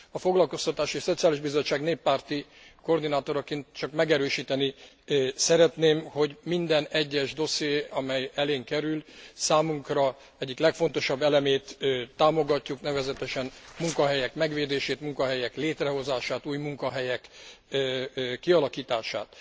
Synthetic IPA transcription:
ɒfo̞ɡlɒlko̞st̪ɒt̪aːʃieʃso̞t̪sijaːliʒbizo̞t͡ʃːaːɡneːpːaːrt̪i | ko̞rd̪inaːt̪o̞ɾɒkent̪t͡ʃɒkmɛɡɛɾøːʃiːt̪ɛni | sɛɾɛt̪neːmho̞ɟmind̪ɛnɛɟːɛʒd̪o̞sjeːɒmɛjɛleːŋkɛɾylsaːmuŋkrɒ | ɛɟːiklɛkfo̞nt̪o̞ʃɒbːɛlɛmeːt̪ːaːmo̞ɡɒcːuknɛvɛzɛt̪ɛʃɛnmuŋkɒɦɛjɛkmɛɡʋeːd̪eːʃeːt̪muŋkɒɦɛjɛkleːt̪rɛɦo̞zaːʃaːt̪uːjmuŋkɒɦɛjɛk | kːiɒlɒkiːt̪aːʃa̰ːt̪

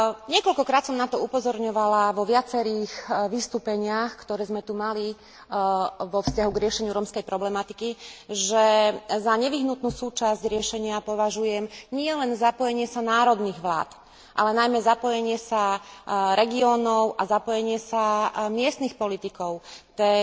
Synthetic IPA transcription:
ɲɪɛkɔlkɔkɾaːt̪sɔmnat̪ɔupɔzɔɾɲɔʋalaʋɔʋɪat͡sɛɾiːxʋist̪uːpɛɲɪaxkt̪ɔɾɛːzmɛt̪umali | ʋɔfscaɦuɡɾɪɛʃɛɲɪuɾɔmskɛjpɾɔblɛmat̪ikiʒɛzaɲɛʋiɦnut̪nuːsuːt͡ʃazɟɾɪɛʃɛɲɪapɔʋaʒujɛmɲɪɛlɛnzapɔjɛɲɪɛsanaːɾɔd̪niɣʋla̰ːt̪ | ʔa̰lɛnajmɛzapɔjɛɲɪɛsaɾɛɡiɔːnɔʊʔazapɔjɛɲɪɛsamɪɛst̪nixpɔlit̪ikɔʊt̪ɛː

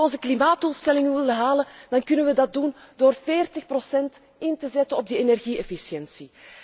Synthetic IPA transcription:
ɔnzəklimaːt̚d̥ulˠstɛlɪŋənʋɪlˠdəɦaːləd̥ɑnkɵnənʋədɑt̚dundoːrveːrtəxprosɛnt | ɪntəzɛtənɔb̚dəenɛrɣiɛfisjɛnsi

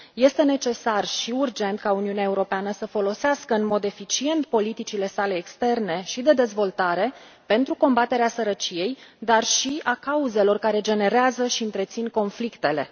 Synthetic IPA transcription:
je̞st̪e̞ne̞t͡ʃe̞sarʃiurd͡ʒe̞nt̪kauniuneae̞uɾo̞peanəsəfo̞lo̞seaskəɨnmo̞d̪e̞fit͡ʃie̞nt̪̚po̞lit̪it͡ʃile̞sale̞ːkst̪e̞rne̞ʃid̪e̞d̪e̞zvo̞lt̪aɾe̞ | pe̞nt̪ɾuko̞mbat̪e̞ɾeasəɾət͡ʃije̞jd̪arʃiakauze̞lo̞rkaɾe̞d͡ʒe̞ne̞ɾeazəʃiɨnt̪ɾe̞t̪sinko̞nflikt̪e̞le̞̰

